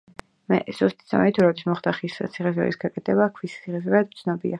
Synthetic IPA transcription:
mɛ̰z̥ust̪ʼi̥z̥a̰mɛit̪ʰuɾɔd̪ismɔχd̪aχisa̰t̪sʰiχɛz̬ɾɛ̰ɾisɡakʼɛt̪ʰɛbakʰwist̪sʰiχɛsɾad̪̚t̪sʰnɔbḭa

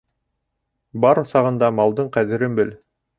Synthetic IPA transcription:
bɑɾŏθɑʁɤ̆nd̪ɑmɑlˠd̪ɤɴqæðɘ̆ɾɘmbɘl

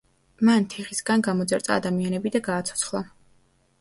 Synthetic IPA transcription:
mant̪ʰɛχisɡanɡamɔd̪zɛɾt̪ʼaːd̪amianɛbid̪aɡaːt̪sʰɔ̥sʰχlˠa̰

